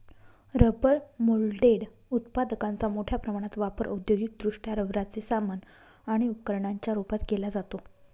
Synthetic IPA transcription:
ɾəbəɽmulɖeɽ | ut̪pad̪əkãnt͡samoʈʰjapɾəmaɽ̃at̪ʋapəɾʔə̰wd̪joɡit̪̚d̪ɾuʂʈʰjaɾəʋɾat͡sesamən | aɽ̃iupkəɾɳaɲt͡ɕjaɾupat̪ɡelad͡zat̪o

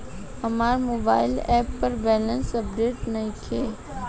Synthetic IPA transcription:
ɐmaːɾmoːba̰ːɪlɛːpːɐɾbɛːlənsɐp̚ɖeːʈnɐɦĩkʰeː

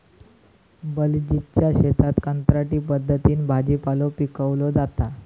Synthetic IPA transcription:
bəld͡ʑit͡ɕjaɕet̪ʰat̪kant̪ɾaʈiːpəd̪ʱːət̪iːnbʱad͡ʑipalopikəʋlod͡zat̪a

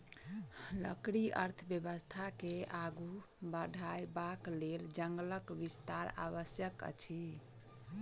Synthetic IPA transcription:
lə̰kɽiə̰ɾt̪ʰəbjəbəst̪ʰakeaɡu | bəɖʱajbakleld͡ʒəŋɡləkʋist̪aɾa̰βəsjəkə̰t͡ʃʰi

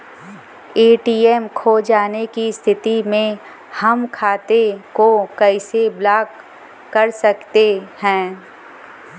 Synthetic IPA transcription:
eːʈiːɛmkʰoːd͡ʒaːnekist̪ʰɪt̪imẽ | hɐmkʰaːt̪ekokɛɪseblaːkː | ɐɾsɐkt̪ehɛ̃ː

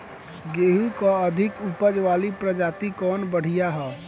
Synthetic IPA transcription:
ɡeːɦukaəd̪ʱɪkupəd͡ʒʋaːlipɾəd͡ʒaːt̪ikɔːnbəɽ̤ijaɦɛː

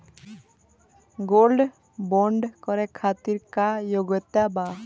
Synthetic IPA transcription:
ɡolɖ | bɔɳɖkɔɾɛkʰat̪iɾkajoɡɔt̪aba

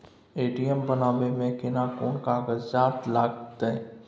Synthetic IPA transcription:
eːʈijəmbənaːʋemẽkɪnakɔːnkaːɡəd͡ʒaːt̪laːɡt̪ːe

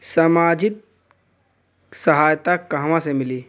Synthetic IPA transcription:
səmaːd͡ʒɪt̪̚ | səɦaːjt̪akaɦʋãsemɪliː

